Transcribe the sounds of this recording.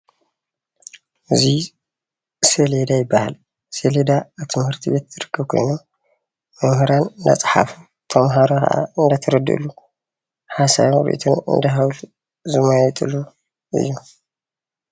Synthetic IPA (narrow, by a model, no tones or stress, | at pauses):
ɨzi | seled̪ajɪbːaha̰l | seled̪aːβt̪ʰɨmhɨɾt̪ʰiβet̪tɨɾɨkːɨβkʰojnom | mɨmhɨɾanɨnd̪a̰t͡sʼħa̰fu | t̪ʰɐmɦaɾokʰɐ̰ʔa̰ɨnd̪ɐt̪ʰɐɾɨd̪ɨ̰lu | ħasa̰jɾḭʔḭt̪ʰunɨ̰nd̪aɦawlu | zɨmajt̪ʼɨ̰lu | ʔɨ̰jːu